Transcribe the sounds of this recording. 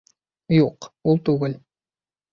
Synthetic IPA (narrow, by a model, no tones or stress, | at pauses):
juqult̪ʼuɣɐl